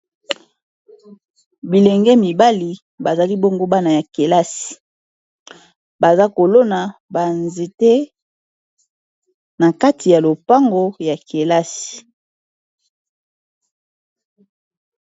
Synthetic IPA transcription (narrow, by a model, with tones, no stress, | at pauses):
bi˨lɛ˨ŋɡɛ˦mi˨ba˦li˨ | ba˨za˨li˦bo˦ŋɡo˦ba˦na˨ja˨ke˨la˦si̥˨ | ba˨za˦ko˨lo˦na˨ba˨nze˨te˦ | na˨ka˦tʰi˨ja˨lo˨pa˦ŋɡo˨ja˨ke˨la˦sii̥˨